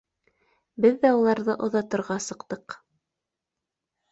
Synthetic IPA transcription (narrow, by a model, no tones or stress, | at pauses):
bɘðːæulˠɑɾðɤʔŏðɑt̪ɤ̆ɾʁɑsɤ̆qt̪ɤq